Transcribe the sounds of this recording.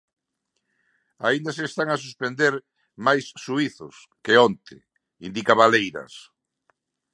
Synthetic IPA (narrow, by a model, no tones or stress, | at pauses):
a̰ind̪aseːst̪aŋas̬uspend̪eɾ | majsːuiθʊs | keont̪ɪ̰ | ind̪ikaβalejɾɐ̰s